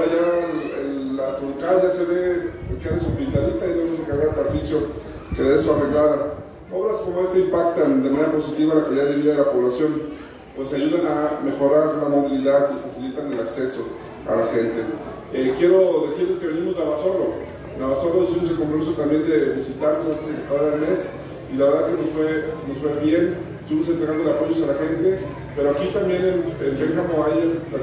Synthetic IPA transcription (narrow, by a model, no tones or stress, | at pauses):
aʝaḛlːat̪ɾoŋkalʝase̞βe̞pokjanesupint̪aðit̪ainoes̬ekaɣat̪aɾsisjo̞ | keðeesuareɣlaða | oβɾaskomoe̞st̪eimpak̚t̪and̪emaneɾapo̞sit̪iβalakaliðaðeβiðaðelapo̞βlasjo̞n | pwe̞saʝuðaname̞xo̞ɾaɾlamo̞βiliðaðifasilit̪anelakse̞so̞ | a̰laxe̞nt̪e | ekje̞ɾo̞ðe̞siɾle̞ske̞βe̞nimo̞znaβaso̞lo̞ | naβaso̞loðs̬imos̬elkompɾomis̬ot̪ambje̞nd̪e̞βisit̪aɾnos̬ant̪ezðekekaaɾaðelme̞s | ilaβe̞ɾðakenosfwe̞nosfwe̞βje̞nest̪uβimosent̪ɾeɣandoelapo̞ʝo̞salaxe̞nt̪e̞ | pe̞ɾo̞akit̪ambje̞nenempe̞ŋxamoaja